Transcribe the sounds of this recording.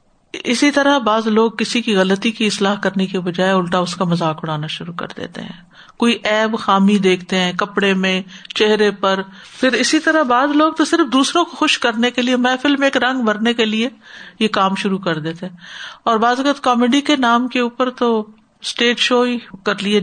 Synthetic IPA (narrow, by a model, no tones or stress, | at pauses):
ɪsit̪ɐɾabaːzloːɡ̚kɪsikiɣɐlət̪ikiɪslaːɦkɐɾnekibɐd͡ʒaːeʊlʈaʊskamɐzaːkʊɽ̤aːnaʃʊɾukɐ̰ɾd̪ḛːt̪ḛɦɛ̰̃ː | koːiʔɛːbxaːmid̪eːkʰt̪eɦɛ̃ːkɐpɽemẽt͡ʃeɦɾepɐɾ | pʰɪɾɪsit̪ɐɾabaːzloːɡ̚t̪osɪɾfd̪uːsɾõkoxʊʃkɐɾnekeliemɛ̃ːfɪlmeːkɾɐ̃ŋɡbɐɾnekeliejekaːmʃʊɾukɐɾd̪eːt̪eɦɛ̃ːɔːɾbaːzɐkət̪kɔːmeːɖikenaːmkeuːpəɾt̪o | sʈeːʈʃoːikɐɾlie